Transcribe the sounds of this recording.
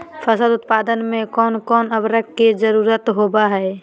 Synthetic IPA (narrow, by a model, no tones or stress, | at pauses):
fʰəsəd̪ʊt̪paːd̪ənmẽkɔːnkɔːnəbɾəkkːezəɾuːɾət̪ɦoːbaɦɛː